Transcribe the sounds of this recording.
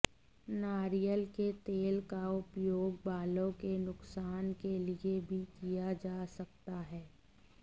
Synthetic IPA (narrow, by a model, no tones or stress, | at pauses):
naːɾijəlket̪eːlkaʊpjoːɡbaːlõkenʊksaːnkeliebʱikijad͡ʒaːsɐk̚t̪aɦɛː